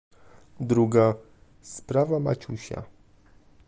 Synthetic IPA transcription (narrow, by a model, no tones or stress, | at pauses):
d̪ɾuɡa | spɾavama̰t͡ɕuɕa̰